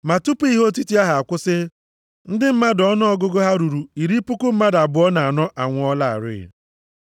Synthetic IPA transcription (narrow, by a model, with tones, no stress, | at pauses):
ma˨tu˦pu˦i˦ɦo˦t̬i˦ti˦a˦ɦa˨a˨kʷʊ˦sɪ˦ | n̩˦dɪ˦m̩˦ma˦dɔ˦nʊ˦ɔ˦ɡʊ˦ɡo˦ɦa˦ɾu˨ɾu˨i˨ɾi˦pʊ˦kʊ˦m̩˦ma˦da˨bʊ˨ɔ˦na˨a˨nɔ˦ʔa˨ŋʷʊ˨˦ɔ˦la˦a̰˨ɾɪ̰˦˨